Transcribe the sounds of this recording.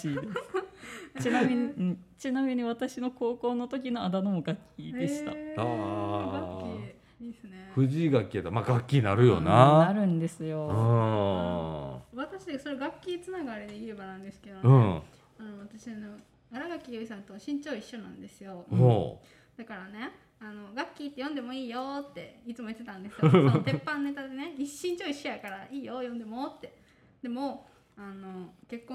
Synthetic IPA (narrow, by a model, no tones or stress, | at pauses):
ɕid̪e | t͡ɕinamʲiɲ̟iɯ̃ɴt͡ɕinamʲiɲ̟iβat̪aɕino̞ko̞ːko̞ːno̞t̪o̞k̬ʲino̞ad̪ano̞moɡakʲʰidd̪e̞ɕi̥t̪a̰aai | esɨneɸɯ̟ʑiːɡakʲːiat̪ːamaːɡakʲːiɲinaɾɯ̟jo̞̰naaɾɯ̟̃nd̪e̞sɨjo̞ɯ̃ | βat̪aɕid̪esoɾeɡakʲːiːt͡sɨnaɡaɾʲed̪eiɾebanãnd̪e̞sɨ̥ke̞d̪oɯ̟̃ | ano̞βat̪aɕiano̞ | aɾaɡakʲːioisãnt̪oɕĩɲt͡ɕo̞ːiɕːo̞nãnd̪e̞sɨjo̞o̰ | d̪̥akaɾane̞ | ano̞ɡakʲːiːt̪ːe̞jõnd̪e̞mo̞iːjo̞t̪ːe̞it͡sɨmo̞jt̪ːe̞t̪ãnd̪e̞st̪epːãnone̞t̪ad̪e̞ne̞ɡiɕːĩɲt͡ɕo̞ːiɕiakaɾaʔiːjo̞jõnd̪e̞mo̞t̪ːe̞ | d̪̥e̞mo̞ | ano̞ke̞kːõ